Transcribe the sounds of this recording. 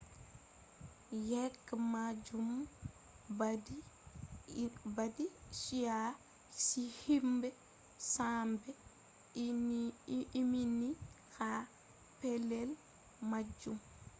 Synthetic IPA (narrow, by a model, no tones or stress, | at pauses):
jɛkːmad͡ʒum | d | badisija | sihimbɛ | sambɛ | mini | ha | pɛlɛl | mad͡ʒːum